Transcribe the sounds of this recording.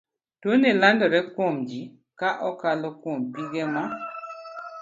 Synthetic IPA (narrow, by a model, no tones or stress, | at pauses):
tonelandɔɾɛkwomd͡ʒi | kaʔɔkalɔkwompiɡema